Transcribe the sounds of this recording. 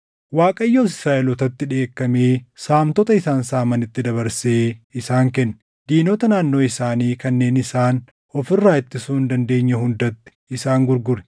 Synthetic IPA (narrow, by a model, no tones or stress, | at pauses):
waːkʼɐjːoːsɪ̥sɾaːʔɛlɔt̪ɐt̪ːɪᶑe̞ːkːɐmeːsaːmt̪ɔt̪ʼɐɪsaːnsaːmɐnɪt̪ːɪd̪ɐβɐɾse̞ːɪsaːŋkɛnː | d̪iːnoːt̪ɐnaːnːo̞ːɪsaːniːkɐnːe̞ːnɪsaːn | ɔfɪrːaːɪt̪ːɪsuːnd̪ɐnd̪e̞ːɲːɐɦʊnd̪ɐt̪ːɪ̥ɪsaːŋɡʊɾɡʊɾɛ̥